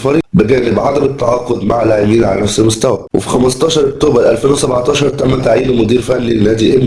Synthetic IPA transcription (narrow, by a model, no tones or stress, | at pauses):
fɑɾiːbeɡæːnebʕad̪æmet̪ːɑʕɑːqod̪maʕlːaːʕebiːnʕalæ̰næfselmost̪æwæwḛfi̥xæmɑst̪ˤɑːʃɑɾˤʔok̚t̪oːbæɾˤʔælfeːnwesæbʕt̪ˤɑːʃɑɾˤt̪æmːæt̪aʕiːnmod̪iːɾfænːinːæːd̪iʔen